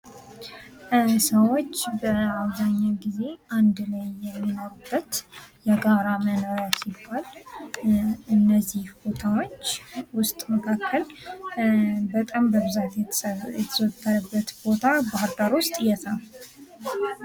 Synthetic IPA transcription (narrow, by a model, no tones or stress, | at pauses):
səwo̞t͡ʃːbəaβzaɲːaɡize̞and̪lajːɛmːino̞ɾubːət̪jɛɡaɾamənəasibːal | ɨnːəzːihbo̞t̪ʰawo̞t͡ʃːwʊst̪ʼməkʰakʰːəl | bət̪ʼambəβɨzat̪jɛjɛt̪ʰəzət̪ʰːəɾəbːət̪bo̞t̪ʰabahɨɾd̪aɾwʊst̪ʼjɛt̪ʰal